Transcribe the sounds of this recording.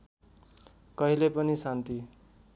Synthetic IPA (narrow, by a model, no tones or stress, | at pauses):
kʌɦilepʌnisant̪i